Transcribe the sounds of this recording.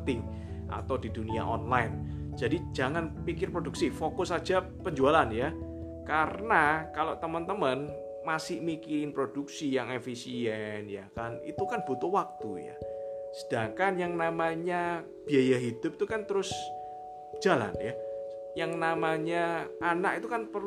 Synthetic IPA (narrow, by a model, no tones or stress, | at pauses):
t̪ɪŋ | ʔa̰t̪awdidunia̰ʔɔnlaɪn | d͡ʒ̥adid͡ʒaŋanpikɪrpɾoduk̚sifokʊsḁd͡ʒa | pəɲd͡ʒualanja | karənakaloʔt̪əmənt̪əmən | masɪhmikiɾɪnpɾod̥uksijaŋefisiɛnjakanḭt̪ukanb̥ut̪ʊhwak̚t̪uja̰sə̥d̥aŋkanjaŋnamaɲa | b̥iajaɦid̥ʊp̚t̪ukant̪əɾʊs | d͡ʒ̥ala̰nja | jaŋnamaɲaanakit̪ukanpər